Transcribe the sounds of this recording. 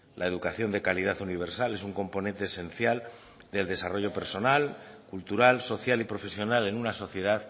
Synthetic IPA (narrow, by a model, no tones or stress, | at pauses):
lʔae̞ðukaθjo̞nd̪e̞kalið̞aθuniβ̞e̞ɾsale̞suŋko̞mpo̞nent̪e̞ːse̞n̟θjal | d̪e̞ld̪e̞saro̞ʝo̞pe̞ɾso̞nalkult̪uɾalso̞θjalipɾo̞fe̞sjo̞nale̞nunaso̞θje̞ð̞að